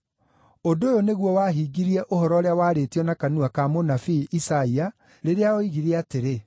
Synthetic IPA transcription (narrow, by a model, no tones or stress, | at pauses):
ondoːjoneɣwɔwaɦiɡiɾiɛʔohɔɾɔoɾeawaːɾetiɔnakanuakamonafiʔisaia | ɾeɾeaoiɣiɾiɛateɾe